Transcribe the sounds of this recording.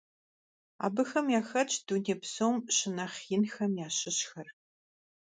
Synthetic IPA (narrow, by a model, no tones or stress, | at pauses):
a̰ːbɨxɐmjaːxɐt͡ʃʼʰduneːpsowmɕɪnɐχjɪnxɐmjaːɕɪɕxɐr